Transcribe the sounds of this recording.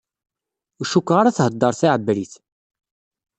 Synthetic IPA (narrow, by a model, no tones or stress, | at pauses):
uʃukːʁaɾæθhəd̪ːəɾˤθaʕəbɾiθ